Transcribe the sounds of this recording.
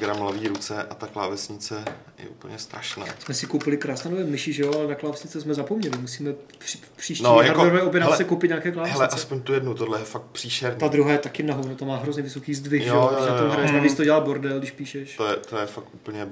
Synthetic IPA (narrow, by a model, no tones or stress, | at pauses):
ɡɾamlaviːɾut͡sɛʔat̪akla̰ːvɛsɲɪt͡sɛ | jɛ̰ʔupl̩ɲɛst̪ɾaʃna̰ːsmɛsɪkowpɪlɪkɾaːsnaːnovɛːmɪʃɪʒɛjoalɛnaklaːvɛsɲɪt͡sɛsmɛzapomɲɛlɪmus̬iːmɛ̥ | ɪ | pr̥iːʃcːaaɾdvɛɾoɛːobjɛɾnasɛkowpɪt̪ɲaːkɛːklaːvɛɦɛlɛt͡saɛspoɲt̪ujɛdnut̪odlɛjɛfak̚t̪̚pr̥iːʃɛɾɲiːad̪ɾuɦajɛt̪akɪnaɦovnut̪amaːɦɾozɲɛvɪso̞kiːzdvɪxjʒɛjojoʃjaoomɦɾajɛʃnaviːt͡st̪oɟɛlaːboɾdɛldɪʃpiːʃɛʃt̪ojɛt̪ojɛfak̚ʔupl̩ɲɛ